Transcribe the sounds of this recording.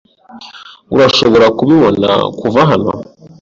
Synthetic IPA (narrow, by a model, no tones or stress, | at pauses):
uɾaʃo̞βo̞ɾakuβiβo̞na̰kuvaɦano̞̰